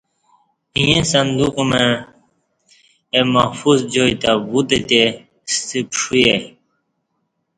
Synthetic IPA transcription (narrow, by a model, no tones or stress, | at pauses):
ĩjẽsɐnd̪ukumẽ | emahfuzd͡ʑoit̪abut̪et̪e | st̪ipʂuje